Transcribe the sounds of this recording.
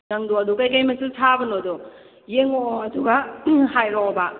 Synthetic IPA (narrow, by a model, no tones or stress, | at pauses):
nɐŋdoɐduɡajkajmɐsusʰabɐnodɔ | jeŋɔɐduɡaɦajɾɔba